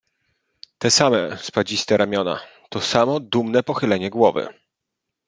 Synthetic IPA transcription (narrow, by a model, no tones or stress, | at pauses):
t̪ɛsamɛspad͡ʑist̪ɛɾʔamʲjɔna̰ | t̪ɔsamɔd̪umnɛpɔxɘlɛɲɛɡwɔvɘ̰